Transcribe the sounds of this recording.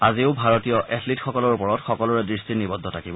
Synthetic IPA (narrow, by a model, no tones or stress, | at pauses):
aziʊbʱaɹɔtijɔʔɛtʰlitxɔkɔlɔɹupɔɹɔtxɔkɔlɔɹɛdɹistinibɔd̪ʱːɔtʰakibɔ